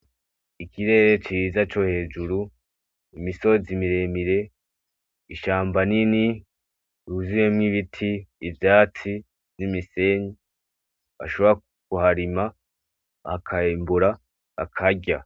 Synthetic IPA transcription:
ikʰiɾe̞ːɾe̞t͡ʃizat͡ʃo̞he̞ːd͡ʒuɾu | imiso̞zimiɾe̞miɾe̞ | iʃaːmbanini | ɾuzimemŋiβitʰiːvjaːt͡si | nimise̞ɲi | βa̰ʃo̞βo̞ɾa | kuɦaɾima | hakʰaːmbuɾa | a̰kʰaɟa

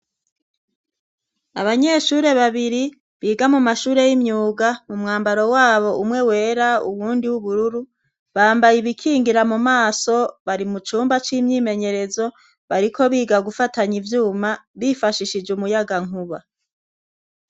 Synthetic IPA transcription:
a̰βaɲe̞ʃuɾe̞βaβiɾi | βiːɡamumaʃuːɾe̞jimɲuːɡamumŋaːmbaɾo̞waːβo̞ʔumŋe̞we̞ːɾaṵβuːndiwuβuɾuɾu | βaːmbajiβikʰiːŋɡiɾamumaːso̞βaɾimut͡ʃuːmbat͡ʃiːmɲiːme̞ɲe̞ɾe̞zo̞ | βaɾikʰo̞βiːɡaɡufataɲivjuːmaβifaʃiʃid͡ʒumujaɡaŋuβa

